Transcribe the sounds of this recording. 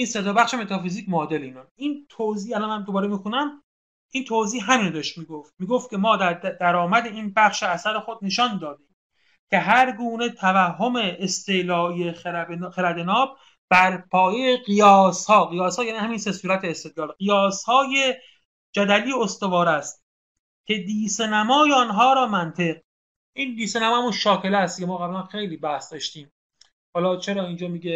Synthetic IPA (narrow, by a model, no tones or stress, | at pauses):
ʔiːnset̪ɒbæχʃeme̞t̪ʰɒfiziːcmoɒːd̪eleiːnɒnʔiːnt̪ʰoziːælɒnmænd̪obɒːɾemiːxunæm | int̪ʰoziːɦæmiːnod̪ɒʃt̪miːɡoft̪̚miːɡoft̪kcʰe̞mɒːd̪æɾd̪æɾɒːmæd̪eiːnbæxʃeæsæɾexod̪̚ne̞ʃɒːnd̪ɒːd̪iːm | cʰe̞ɦæɾɡuːne̞t̪ʰævæɦːo̞meːst̪elɒːijexebxeɾæd̪enɒːb̚ | b̥æɾpʰɒːjejeɢijɒːshɒːɣijɒːshɒːjæːniːhæmiːnsesuːɾæt̪ʰeːst̪ed̪lɒːlɢijɒːshɒːje | d͡ʒæd̪æliːost̪ovɒːɾæst̪̚ | cʰʲe̞d̪iːsenæmɒːjeɒnɦɒːɾɒːmænt̪ʰe̞q̚ | ʔiːnd̪iːsenæmɒːmunʃɒːke̞læst̪̚cʰemɒːɣæblænxe̞jliːbæhsd̪ɒːʃt̪iːm | hɒːlɒːt͡ʃʰeɾɒːind͡ʒɒːmiːɟe